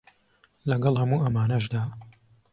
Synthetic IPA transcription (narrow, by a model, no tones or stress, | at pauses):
lɐɡɐlˠhɐmuːʔɐmaːnɐʃd̪aː